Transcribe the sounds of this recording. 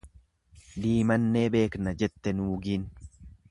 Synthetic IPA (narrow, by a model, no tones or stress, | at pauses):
d̪iːmɐnːeːbe̞ːknɐd͡ʒɛt̪ːɛnuːɡiːn